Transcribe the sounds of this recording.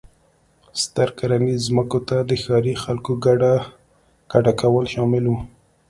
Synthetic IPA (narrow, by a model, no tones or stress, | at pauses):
st̪aɾkaɾanizməkot̪ad̪əxɑɾixalkoɡaɖa | kaɖakawəlʃɑmɪlwu